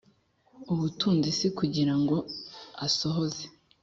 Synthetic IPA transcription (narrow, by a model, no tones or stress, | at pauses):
uβutuːnzisikuɟiɾaŋɡo̞aso̞ɦoze